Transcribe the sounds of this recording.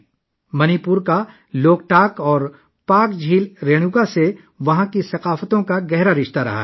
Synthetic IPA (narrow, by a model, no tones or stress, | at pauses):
mɐnipʊɾka | loːk̚ʈaːkɔːɾ | paːkd͡ʒʱiːlɾeːɽ̃uɡase | ʋɐɦãkisɐqaːfət̪õkaɡɛɦɾaɾɪʃt̪aɾɐ̰ɦa̰ɦ